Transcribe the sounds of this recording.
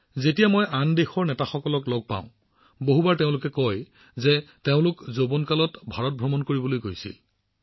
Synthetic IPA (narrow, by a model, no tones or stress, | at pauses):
zetijamojʔandexɔɹnɛtaxɔkɔlɔklɔɡ̚pã̰ʊ̃ | boɦubaɹteʊ̃lʊkɛkɔj | zɛteʊ̃lʊkzobɔnkalɔtbʱaɹɔt̚bɹɔmɔnkoɹibɔlojɡojsḭl